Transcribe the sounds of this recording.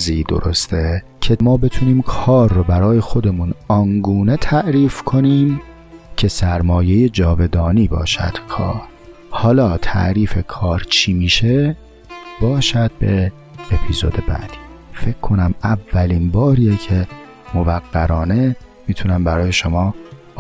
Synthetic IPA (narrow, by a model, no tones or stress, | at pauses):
ziːd̪o̞̰ɾo̞st̪ʰe̞cʰe̞mɒːbe̞t̪ʰuniːmkʰɒːɾːobæɾɒːje̞xo̞d̪e̞munɒnɡuːne̞t̪ʰæʔɾiːfkʰo̞niːm | cʰe̞sæɾmɒːje̞jed͡ʒɒːve̞d̪ɒːniːbɒ̰ːʃæ̰d̪̥kʰɒ̰ːɾ | hɒːlɒːt̪ʰæ̰ʔɾiːfe̞kʰɒːɾt͡ʃʰiːmiːʃe̞ | b̥ɒːʃæd̪̥̚be̞ | epʰizo̞d̪e̞bæ̰d̪̥i̥ː | fe̞cʰkʰːo̞næmævːæliːnbɒːɾiːjecʰe̞ | movæɡːæɾɒːne̞ | miːt̪ʰunæmbæɾɒːje̞ʃo̞mɒː